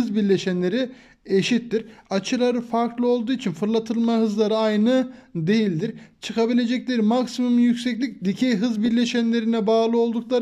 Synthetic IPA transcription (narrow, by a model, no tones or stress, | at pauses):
ɯzbiɾlʲeʃænlʲe̞ɾi | eʃit̪ːiɾat͡ʃʰɯlˠaɾɯfaɾklˠɯo̞lˠd̪uːit͡ʃʰinfɯɾlˠat̪ʰɯlˠmaɦɯzlˠaɾɯajnɯd̪e̞jilʲd̪iɾ̥t͡ʃʰɯkʰabilʲe̞d͡ʒɛclʲeɾimaksimumjycsɛclʲic̚d̪icʰɛjɦɯzbiɾlʲeʃænlʲe̞ɾinɛbaːlˠɯo̞lˠd̪uklˠaɾ